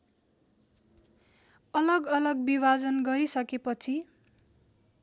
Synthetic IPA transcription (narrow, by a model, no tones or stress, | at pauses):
ʌlʌɡʌlʌɡbibad͡zʌnɡʌɾisʌkepʌt͡sʰi